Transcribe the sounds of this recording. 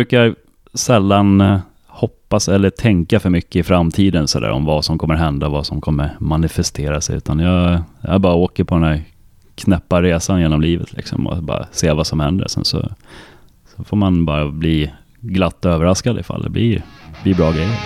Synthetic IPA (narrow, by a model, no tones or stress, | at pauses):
bʉ̟ːkaja | sɛlːan | hɔpːasɛlːəʈʰɛŋkafœɾmʏkːəɪfɾamːt̪ʰiːd̪ənsɔd̪æ̰ːɾɔ̰mvasɔmkʰɔmːəɾɦɛnd̪avasɔmkʰɔmːəɾmanɪfɛst̪ʰeːɾasɛʉ̟ːt̪ʰanjɑja̰bɑːɾaoːkəɾpʰɔd̪ɛnd̪æːɾ | kʰnɛpːaɾeːsanjeːnɔmliːvə̰t̪ʰlɪ̰ksɔ̰mɔ̰bɑ̰ːɾa̰seːvasɔmhɛnd̪ə̰ɾsɛ̰nsɔ̰ | sɔfoːɾmanbɑ̰ːɾabliː | ɡlat̪ːɔøːvəɾaskad̪əɪfa̰lːɛ̰bliːb̥liːbɾɑːɡɾɛjːəɾ